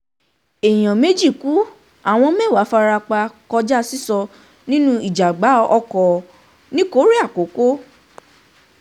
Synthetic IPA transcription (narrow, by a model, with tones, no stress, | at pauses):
e˨j̃ã˨me˦d͡ʒi˦˨ku˨˦ | a˦˨w̃ɔ̃˧mɛ̃˦˨wa˨˦fa˧ɾa˧k͡pa˧kɔ˧d͡ʒa˦si˦sɔ˧ | nĩ˦nũ˦i˦˨d͡ʒa˨ɡ͡ba˨˦ɔ˧kɔ˨ | nĩ˦ko˦ɾi˦a˦˨ko˨˦ko˦